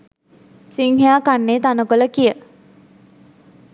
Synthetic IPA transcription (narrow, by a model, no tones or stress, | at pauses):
siŋɦejaːkanːeːt̪anəkoləkijə